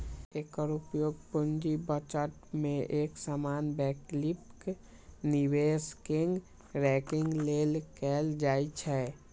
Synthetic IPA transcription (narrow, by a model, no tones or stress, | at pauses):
eːkəɾupjoːɡ̚pund͡ʒibət͡ʃəʈmẽʔeːksamaːnbɛːklipk | niweskɪ̃ŋɡ | ɾɛkɪ̃ŋɡlelkɛːld͡ʒaːit͡ʃʰɛ